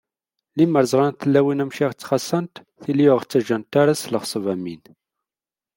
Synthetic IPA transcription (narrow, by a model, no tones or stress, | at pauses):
liməɾzˤʁɑnθəlːæwinæmʃiʁt͡sːχɑsˤːənt̪ | θiliʊʁt͡sːæʒænt̪aɾasləχsˤəvæmin